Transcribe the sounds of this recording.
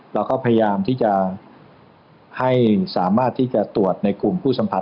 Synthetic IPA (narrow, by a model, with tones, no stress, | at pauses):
ɾa˧wkɔː˥˩pʰa˧ja˧jaː˧mt̪ʰiː˥˩t͡ɕa˨˩ | ha˥˩jsaː˩˦maː˥˩t̪ʰːiː˥˩t͡ɕa˨˩t̪u˨˩ət̪̚na˧jklu˨˩mpʰuː˥˩sa˨˧˦mpʰa˨˦˩